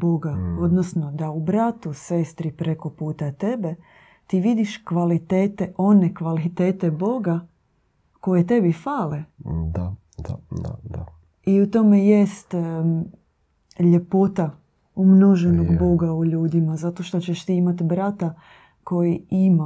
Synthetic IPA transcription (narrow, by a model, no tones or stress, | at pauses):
bo̞ɡao̞d̪nosno̞d̪aubɾat̪use̞st̪ɾipɾe̞ko̞puːt̪at̪e̞be̞ | t̪iʋid̪iʃkʋalit̪eːt̪eʔo̞ne̞kʋalit̪eːt̪ebo̞ɡa | ko̞je̞t̪̬e̞bifaːled̪a | d̪a̰a̰d̪a | iut̪o̞meje̞st̪ | ʎe̞po̞t̪a | umno̞ʒe̞noɡbo̞ɡauʎuːd̪imazat̪o̞ʃt̪o̞t͡ɕeʃt̪iimat̪bɾat̪a | ko̞jiima